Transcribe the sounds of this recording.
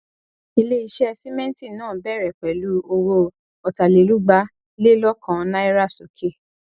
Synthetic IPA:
i˧le˦i˧ʃɛ˦si˦mɛ̃˦n˦ti˦˨nãː˦˨bɛ˦˨ɾɛ˨k͡pɛ˨lu˨˦o˧wo˧ | ɔ˨ta˨le˨lu˦ɡ͡ba˦ | le˦lɔ˦kã˨˦nã˦i˦ɾa˦˨so˨kʰe˦˨

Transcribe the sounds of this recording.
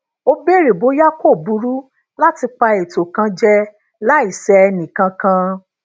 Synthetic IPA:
o˧be˦˨ɾe˨bo˨˦ja˦ko˦˨bu˨˧˦ɾu˦ | la˦ti˧k͡pa˧e˨to˨kã˧d͡ʒɛ˧ | la˨˦i˨sɛ˧ɛ˧nĩ˨kã˧kã˧

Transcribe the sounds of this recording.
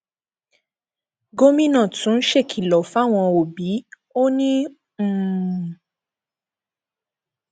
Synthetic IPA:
ɡo˦mĩ˦nã˦˨tũ˨˦n̩˦ʃe˦˨kʰi˨lɔ˨fa˦˨w̃ɔ̃˧o˨bi˨˦ | o˦nĩ˦˨

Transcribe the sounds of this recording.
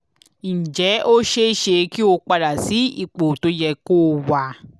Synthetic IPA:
n̩˨d͡ʒɛ˨˦o˦ʃe˦ʃe˧ki˦o˧k͡pa˧ɾa˨si˨˦ḭ˦˨k͡po˨to˨˦jɛ˧ko˦wa˧

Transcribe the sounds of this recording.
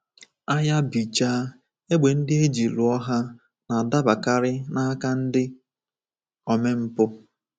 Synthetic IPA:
a˦ja˦bi˨t͡ʃaː˦ | e˦ɡ͡be˨n̩˦dɪ˦e˦d͡ʒi˨lu˨ɔ˦ɦa˦ | na˨da˦ba˨ka˦ɾɪ˦na˦ka˦n̩˦dɪ˦ | ɔ˨me˦m̩˦pʊ˦

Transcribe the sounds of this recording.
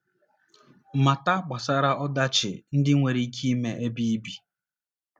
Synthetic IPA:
ma˨ta˦k͡pa˨sa˦ɾa˦ɔ˦da˦t͡ʃɪ̰˨n̩˦dɪ˦ŋʷe˨ɾi˦kʰi˦me˦ʔe˦bi˦bi˨

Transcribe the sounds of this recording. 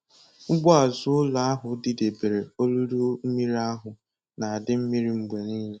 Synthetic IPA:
ŋ͡m̩˦ɡ͡bɔ˦a˨zʊ˦ʊ˦la˦a˦ɦʊ˨˦dɪ˦de˨be˨ɾe˨o˦lu˦ɾu˦mi˦ɾa˦ɦʊ˨ | na˨a˨dɪ˦m̩˦mi˦ɾi˦ŋ͡m̩˦ɡ͡be˨niː˦le˦

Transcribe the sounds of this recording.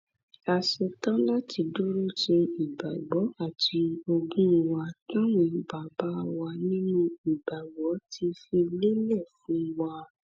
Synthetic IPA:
a˧ʃɛ˧tã˦la˦tʰi˧du˦ɾu˦te˧i˨ba˨ɡ͡bɔ˨˦a˦˨tʰi˧o˧ɡũ˦˧wa˧tã˦wĩ˧ba˨ba˦˧wa˧nĩ˦nũ˦i˨ba˨ɡ͡bɔ˨˦tʰi˧fi˧le˦lɛ˦˨fũ˨˦wa˧

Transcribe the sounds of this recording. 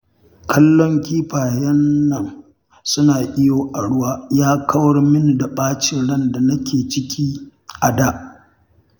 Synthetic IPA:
kʰɐ˦lːɔ˦ŋkʲiː˦ɸaː˨jɐ˦nːɐ˨ŋ | sʊ˦naː˨ʔɪ˦joː˨ʔa˨ɽʊ˦waː˦jaː˦kʰɐ˦wɐ˦rmɪ˦ni˨da˨ɓaː˦t͡ʃɪ˨ɽɐ˦nda˨nɐ˦kʲʰeː˨t͡ʃɪ˦kʲiː˦ʔa˨daː˦˨ʔ

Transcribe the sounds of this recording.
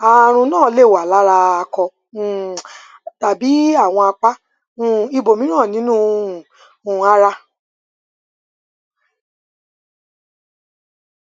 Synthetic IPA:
a˨ɾ̃ũ˧nãː˦˨˦le˦˨wa˨la˨˦ɾa˧a˧kɔ̃˧˨ | ta˨bi˨˦a˦˨w̃ɔ̃˧a˧k͡pã˦˨ | i˧bo˨mĩ˨˦nãː˦˨nĩ˨˦nũ˦˧˨ | a˦ɾa˧

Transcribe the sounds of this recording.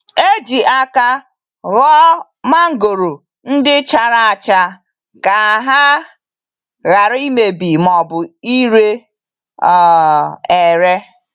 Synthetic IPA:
e˦d͡ʒi˨ʔa˦ka˦ | ɣɔ˦ | ma˦ŋ̩˦ɡo˨ɾo˨ | n̩˦dɪ˦t͡ʃa˨ɾa˨a˨t͡ʃa˦ | ka˨ɦa˦ | ɣa˨ɾi˦me˨bi˨mɔ˨bʊ˨i˦ɾe˦ | ɔ˨e˨ɾe˦

